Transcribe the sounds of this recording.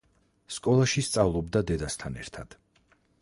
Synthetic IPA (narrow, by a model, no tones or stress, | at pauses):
skʼɔlˠaʃist̪sʼavlˠɔbd̪ad̪ɛd̪ast̪ʰanɛ̰ɾt̪ʰad̪̥